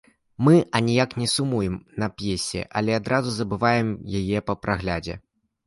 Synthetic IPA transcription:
mɨʔɐnʲijaknʲɛsumujɛmnɐpʲjesʲɛ̰ʔɐ̰lʲɛad̪ɾʔazuzɐbɨvajɛmjajɛpɐpɾaɣlʲad͡zʲɛ̰

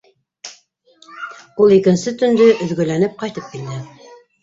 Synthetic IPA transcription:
ulˠikɘ̆nsɘt̪ɵ̆nd̪ɵʔɵ̆ðɡɵ̆lænɘp̚qɑjt̪ɤp̚kild̪ɘ

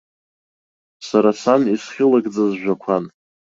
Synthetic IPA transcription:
saɾasanisχʲɪlaɡd͡zazʒᶣʷakʷʰan

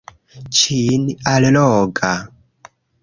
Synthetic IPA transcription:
t͡ʃinialɛlɔɡa

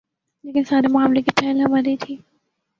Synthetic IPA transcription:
leːkɪnsaːɾemʊaːmlekɪt͡ʃʰaːɪlɦɐmaɾit̪ʰiː

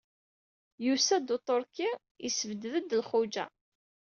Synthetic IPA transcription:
jusæd̪ot̪ˤoɾki | isəvəd̪ðəd̪lχʊd͡ʒæ̰

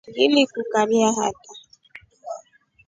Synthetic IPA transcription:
ɡilikukaɾiaɦa̰ta

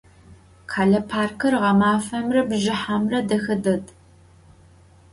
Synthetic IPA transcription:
qʰaːɮɐpʰaːrkʰɨrʁɐmaːfɐmrɐbʑɪħamrɐdɐxɐdɐd

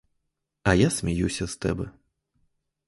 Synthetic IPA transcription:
ɐjasʲmʲajusʲɐst̪ɛ̰bɛ

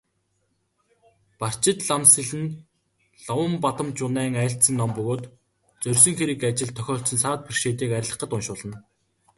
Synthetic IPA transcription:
par̥t͡ɕɪ̆t̪ɮamsĭɮɘ̆n | ɮɔwə̆mpat̪ə̆mt͡ɕʊnæːŋæɬt̪sə̆ŋnɔmpɵɣoːt̪ | t͡sœrʲs̬ɵ̆ŋxeɾɘ̆kat͡ɕɪ̆ɮt̪ʰːœxʲɔːɬt͡sə̆nsaːt̪̚pirʃeːt̪̬iːkæɾʲɪ̆ɮə̆qə̆t̪ʊnʃʊːɮə̆n

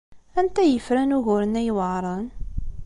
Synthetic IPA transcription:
ænt̪æjəfɾænʊɣʊɾənæjwəʕɾˤən

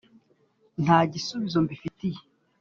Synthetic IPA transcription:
n̥haːɟisuβizo̞mbifitije

